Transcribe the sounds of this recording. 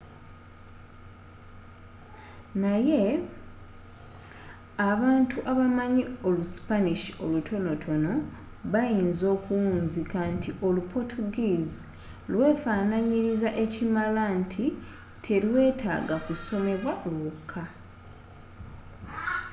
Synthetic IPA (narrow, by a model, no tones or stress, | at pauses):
naje̞ | aβaːntʰuʔaβamaɲio̞lusi̥paniʃio̞lutʰo̞no̞tʰo̞no̞ | βajiːnzo̞ːkuwuːnzikantʰiʔo̞lupʰo̞tʰuɡiːzi | lwe̞ːfaːnaɲiɾizaʔe̞cimalantʰi | tʰe̞lwe̞ːtʰa̰ːɡakuso̞me̞βwaʔolwukʰːa